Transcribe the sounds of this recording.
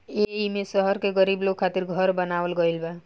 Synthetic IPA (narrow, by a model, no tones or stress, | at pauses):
eimesəɦɔɾkeɡəɾibloɡkʰat̪iɾɡʱʌɾbənaʋəlɡʌilba